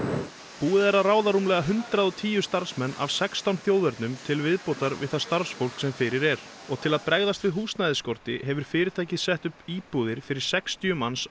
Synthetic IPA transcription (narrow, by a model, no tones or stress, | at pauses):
puːɪðɛɾaraːwðaɾuːmlɛɣaɦʏnt̪ɾaðɔt̪ʰiːjʏst̪aɾ̥smɛnːa̰vsɛkst̪awnθjowðɛɾt̪nʏmt̪ʰɪlvɪðpoːwt̪aɾvɪ̰ðθaðst̪aɾsfowl̥ksɛmfɪɾɪɾɛɾ | ɔɣt̪ʰɪlaðpɾɛɣðast̪vɪðɦuːst̪najðɪskɔɾ̥t̪ɪɦɛvʏɾ̥fɪːɾɪɾt̪ʰaːjcɪsɛht̪ʏhpiːpuːðɪɾ̥fɪɾɪɾ̥sɛkst̪jʏmans